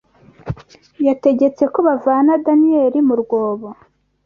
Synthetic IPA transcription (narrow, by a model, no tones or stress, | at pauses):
jate̞ɟe̞t͡se̞koβavaːnadanieɾimuɾɡwo̞ːβo